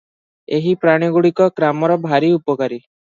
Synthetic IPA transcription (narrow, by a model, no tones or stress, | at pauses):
eɦipɾaɽ̃iɡuɽikɔkɾamɔɾɔbʱaɾiupɔkaɾi